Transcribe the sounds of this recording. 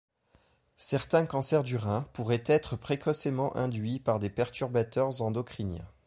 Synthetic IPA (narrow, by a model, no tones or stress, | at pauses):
sɛʁt̪ɛ̃kɑ̃sɛʁd̪yʁɛ̃puʁɛt̪ɛt̪χəpχekʰɔsemɑ̃ʔɛ̰̃d̪ɥipaʁd̪epɛʁt̪yʁbat̪œʁzɑ̃d̪ɔkχinjɛ̰̃